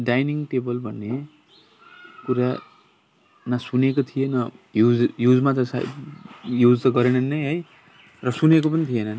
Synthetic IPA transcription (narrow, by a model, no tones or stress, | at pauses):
ɖajniŋʈebʌlbʱʌnːe | kuɾa | masunekot̪ʰijenʌjud͡zjud͡zmat̪ʌsa̰ | jud͡zt̪ʌɡʌɾenʌnːʌjɦʌj | rʌsunekopʌnit̪ʰijenʌn